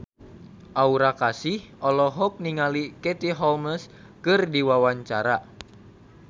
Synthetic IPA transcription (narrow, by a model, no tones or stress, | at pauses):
ʔauɾakasihɔlɔɦɔk̚niŋalikɛt̪iɦɔlməs | kɨrdiwawaɲt͡ʃaɾa